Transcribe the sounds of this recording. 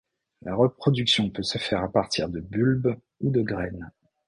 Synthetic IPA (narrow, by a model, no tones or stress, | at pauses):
laʁəpχɔd̪yksjɔ̃pøsəfɛʁapaʁt̪ʰiʁd̪əbylb | ud̪əɡʁɛn